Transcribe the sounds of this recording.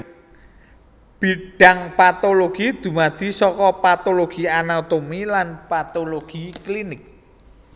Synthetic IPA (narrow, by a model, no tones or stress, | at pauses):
b̥iɖ̥a̤ŋpat̪oloɡ̥id̪̥ṳmad̪̥i̤sɔkɔpat̪oloɡ̥i̤anat̪omilanpat̪oloɡ̥iklinɪk̚